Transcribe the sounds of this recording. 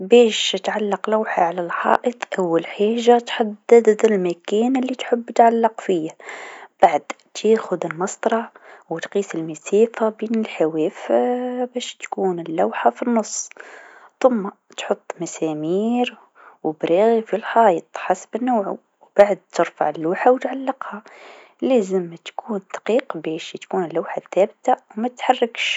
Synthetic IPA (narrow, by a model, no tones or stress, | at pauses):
beːʃt̪ʕalːɑqlawħaʕalalħɑ̰ːʔɨt̪ˤʔawːalħaːʒat̪ħad̪ːad̪ɪlmakæːnɪlːit̪ħʊbːt̪ʕalːɑqfiab̥aʕd̪ | t̪ʰeːxʊd̪ɪlmɑsˤt̪ˤɾˤɑʕwɪt̪qiːsɪlmaseːfabiːnɪlħaweːfbæːʃt̪kuːnɪlːawħafinːʊsˤː | θʊmːa | t̪ħʊt̪ˤːmasæmiːɾ | wbɾiɣifilħɑːjt̪ˤħasbɪnːawʕʊ̰ | wbaʕd̪̚t̪əɾfa̰ʕəlːuːħawt̪ʕalːɑqha | læːzəmːt̪kʰuːnd̪ɑ̥qiːqbæːʃt̪kuːnəlːawħaθːæːbt̪awmæt̪t̪ħɑrˤːɑkʃ